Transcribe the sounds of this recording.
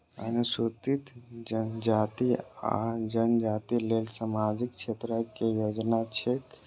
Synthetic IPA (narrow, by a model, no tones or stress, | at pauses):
ə̰nusut̪it̪d͡ʒənd͡ʒat̪ia̰d͡ʒənd͡ʒat̪ilelsamad͡ʒik̚t͡ʃʰet̪ɾəkejod͡ʒnat͡ʃʰek